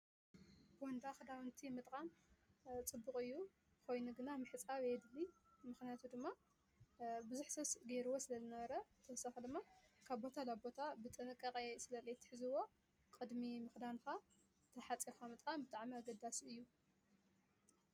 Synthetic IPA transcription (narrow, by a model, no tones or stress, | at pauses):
bwɔnd̪axɨd̪awɨnt̪ʰimɨt̪ʼkʼam | t͡sʼɨbːɨkʼɨjːu | ko̞jnuɡɨnamɨħɨt͡sʼaβed̪ɨlːimɨxnijat̪ʰud̪ɨmːa | bɨzuħsɐβsɡeɾɨwo̞sɨlɐzɨnɐβɐɾɐɨt̪ʰɐwsaxɐd̪ɨmːakʰaβbo̞t̪ʰalaβbo̞t̪ʰabɨt̪ʼɨnɨkʼːɐkʼesɨlɐlejt̪ʰːɨ̥ħɨzɨwo̞ | kʼɨd̪mimɨxd̪anxa | t̪ʰɐħat͡sʼixamɨt̪ʼkʼambɨt̪ʼaʕmiaɡɐd̪asɨjːu